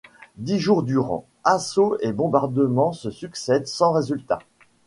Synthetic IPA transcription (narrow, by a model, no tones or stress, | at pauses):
d̪iʒuʁd̪yʁɑ̰̃ | asoebɔ̃baʁd̪əmɑ̃səsyksɛd̪sɑ̃ʁezylt̪a